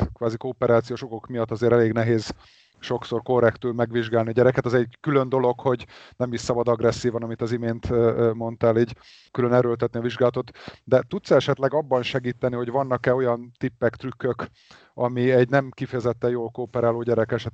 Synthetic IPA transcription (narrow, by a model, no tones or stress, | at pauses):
kʋaːzikoːpɛɾaːt̪sijoːʃoko̞kmijɒt̪ːɒzeːɾɛleːɡnɛɦeːz̥ | ʃo̞kso̞rko̞rːɛkt̪ylmɛɡʋiʒɡaːlniɒɟɛɾɛkɛt̪ɒzɛɟkylø̞nd̪o̞lo̞kho̞ɟnɛmisːɒbɒd̪ɒɡrɛsːiːvɒnɒmit̪ɒzimeːnt̪mo̞nt̪aːliːɟ | kylønɛɾølt̪ɛt̪niɒviʒɡaːlɒt̪o̞t̪d̪ɛt̪ut̪sɛʃɛt̪lɛɡɒbːɒnʃɛɡiːt̪ːɛniho̞ɟvɒnːɒkɛo̞jɒnt̪ipːɛkt̪rykːøk | ɒmiɛɟnɛmkifɛjɛzɛt̪ːɛjoːlkoːpɛɾaːloːɟɛɾɛkɛʃɛt̪